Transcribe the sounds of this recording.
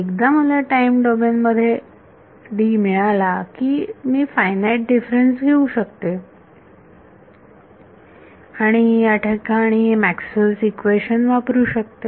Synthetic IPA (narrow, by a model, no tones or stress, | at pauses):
ekd̪aməlaʈaimɖɔbenməd̪ʱːje | ɖiːmiɭ̃alakiːmiːfajnaiʈ̚ɖifɾensɡʱeuɕəkt̪e | aɽ̃ijaʈʰakaːɽ̃imæksməlsikʋeɕənʋapɾuːɕək̚t̪e